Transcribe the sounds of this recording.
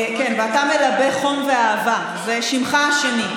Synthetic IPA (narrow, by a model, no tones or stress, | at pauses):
kenveatamelabeχomveaːva | zeʃimχaaʃeni